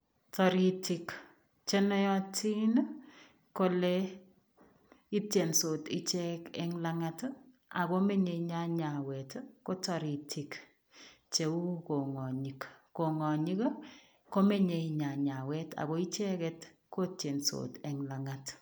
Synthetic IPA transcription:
tɔ˨ɾi˨ti˨k | t͡ʃe˦nɔ˦jɔ˦tʰi˦n | ko˦le˦ | i˦tje˨nso˨ti˦t͡ʃɛ˦kɛŋlaŋat | a̰˨ko˦me˦ɲe˨ɲa˦ɲa˨wɛtko˦tɔ˨ɾi˨tʰi˨k | t͡ʃe˨u˦ko˨ŋɔ˨ɲikːo˨ŋɔ˨ɲi˦k | ko˦me˦ɲe˨ɲa˨ɲa˨wɛ˦ta̰˨ko˨i˦t͡ʃɛ˦kɛt | ko˦tje˨nso̰tɛŋlaŋat

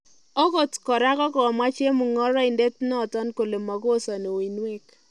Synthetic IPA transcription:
o˦ɡo˨tkɔ˨ɾa˦kɔ˦kɔ˨ma˦t͡ʃe˦mu˨ŋɔ˦ɾɔ˦i˨nde˦tnɔ˦˨tɔ˦nko˨le˨mɔ˨ɡo˦˨sɔ˨no˨wi˨nwe˦k

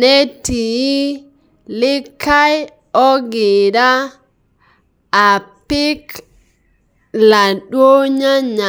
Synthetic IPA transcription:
ne˦ti˨ji˦ | li˦kːa˦j | o˦ɡi˨da˦˨ | pi˦k | la˨ɗwo˦ɲa˦ɲa˨

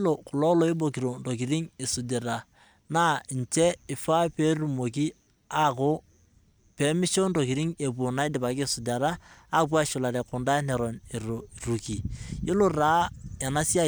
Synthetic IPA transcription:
lo˨kʊ˨lɔ˦lo˨˦ɪ˦bo˨ki˨ɾo˨ndo˨ki˨ɾi˦ŋɪ˨sʊ˨de˨ɾa˨ | na˦˨n˨t͡ʃɛ˦ɪ˨fa˦pe˦ru˨mo˨k̬i˦ | a˦kʊ˦ | pe˨˦mɪ˦ʃo˦ndo˨ki˨ɾi˦ŋe˨p̬u˨na˦ɪ˦dɪ˨pa˨kɪ˦sʊ˨da˨ɾa˦a˦p̬wa˦ʃʊ˨la˨ɾɛ˨kʊ˨nda˦nɛ˨ɾɔ˨ne˨ɾo˨ɾu˨ki˨jɪ˦lo˦raː˦ɛ˨na˦si˦a˦

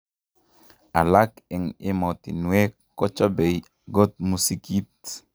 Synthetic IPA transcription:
a̰˨la˦ke˨ŋɪ˦mɔ˨t̪ḭ˨nwe˦kːɔ˦t͡ʃɔ˦be˨i | ɡo˦t̪̚mu˦si˦ki˦t̪

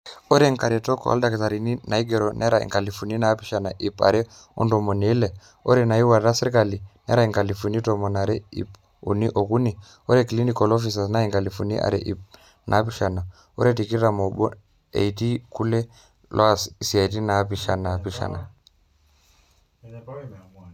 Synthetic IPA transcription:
o˦ɾe˦ŋka˨ɾɛ˨tɔ˦kɔ̰˨a̰lda˨ke˨ta˨ɾi˨ni˦na˨i˦ɡe˨ɾo˨nʔɛ̰˦ɾa˨ḭ˨ŋka˨li˨fu˨ni˦na˨˦pi˦ʃa˨na˨ʔi˨pa̰˨ɾɛ˦ | ɔ̰˦ndɔ˨mo˨neː˨˦le˨ | o̰˦ɾɛ˦na˨i˦wa˨ɾa˦se˦ɾka˨li˨nḛ˦ɾa˨i˨ŋka˨li˨fu˨ni˦to˨mɔ˨na˨ɾɛ˦ḭ˨p | ṵ˨ni˦ʔo˨ku˦ni˨ | o˦ɾɛ˦ki˨li˦ni˦kɔ˨lɔ˦fi˨s̬a˨sna˦i˨ŋka˨li˨fu˨nḭ˦ʔa̰˨ɾɛ̰˨ʔi˨p̚ | nʔa˨˦pi˦ʃa˨na˨ | o̰˦ɾe˦ti˨ki˦ɾa˨mo˨bɔ˦ | ḛ˨i˨ti˦ku˦lɛ˦ | lʔɔ˦a˨si˨si˨a˨i˨t̬i˦na˨˦pi˨ʃa˨na˨pi˦ʃa̰˨na̰˨

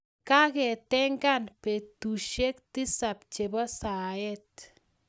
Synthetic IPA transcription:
ka˦kɛ˨tɛ˦ŋɡa˦npe˨tu˨ʃe˦k̚ti˦sa˨p̚t͡ʃe˨bɔ˦sa˨ɛ˦t̚

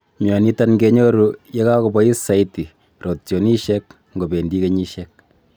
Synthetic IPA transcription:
mjɔ˨ni˦ta˦nɡe˦ɲo˦ɾu˦je˦ka˦ko˨bɔ˦i˦sa˨iti˨ | ɾo˨tjo˨ni˦ʃɛk̚ | ŋɡo˨be˨ndi˦ke˨ɲi˦ʃɛ˦k̚

